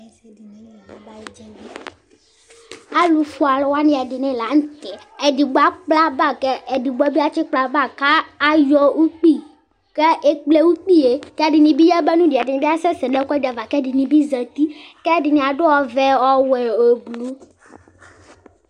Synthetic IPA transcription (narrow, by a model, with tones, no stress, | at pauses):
d͡ʒɛ˨˦ | a˦lu˨fu˦a˨lɔ˨wa˦nĩ˦a˨ɖi˨nɛ̃˨la˨ŋ̩̃˦t̪ɛ˨ | e˨di˨ɡ͡bo˦a˦k͡pla˦ba˦˨kɛ˦e˨di˨ɡ͡ba˦bi˦a˦t͡ɕi˦k͡pla˦ba˦˨ka˦a˨jɔ˦wu˦k͡pi˦ | kɛ˦ʔe˦k͡ple˦wu˦k͡pi˦e˨kɛ˦˨ɖi˨nĩ˨bi˦ja˦bɛ˦nũ˦di˨a˨di˨nĩ˨˦i˦a˦sɛ˦sɛ̃˨ɖɛ˦kɔ˦di˨a˨va˨kɛ˦ɖi˨nĩ˨bi˦zɛ˨t̪i˦kɛ˦˨ɖi˨nĩ˨a˨ɖo˦wɔ˦vɛ˦wɔ˦wɛ˨e˨blu˦